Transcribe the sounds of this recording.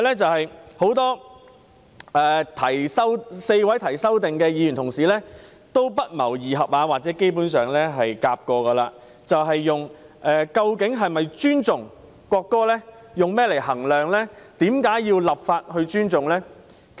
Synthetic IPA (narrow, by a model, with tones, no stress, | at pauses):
lɛː˥t͡sɐ˨whɐ˨jho˨˥wt̪ɔː˥ | ɛː˨˧t̪ʰɐ˨˩jsɐ˥wse˧jwɐ˨˥jt̪ʰɐ˨˩jsɐ˥wt̪ɪ˨ŋkɛː˧jiː˨˧jy˨˩nt̪ʰʊ˨˩ŋsiː˨lɛː˥ | t̪o˥wpɐ˥t̚mɐ̰˨˩wjiː˨ɦɐ˨p̚aː˧waː˨t̚t͡sɛː˨˥ke˥jpu˨˥nsœː˨ŋlɛː˥ɦɐ˨jkaː˧p̚kɔː˧kɐː˧laː˧ | t͡sɐ˨wɦɐ˨jːʊ˨ŋ | ʔɛː˨˧kɐ˧wkɪ˨˥ŋɦɐ˨jmɐ˨jt͡ʃyː˥nt͡sʊ˨ŋ | kwɔː˧kːɔː˥lɛː˥ | jʊ˨ŋmɛː˥le˨˩jhɐ˨˩ŋlœː˨ŋlɛ˥t̪iː˨˥mkaː˨˥jjiː˧wlɐ˨p̚faː˧t̚hɵ˧ɥt͡ʃyː˥nt͡sʊ˨ŋlɛː˥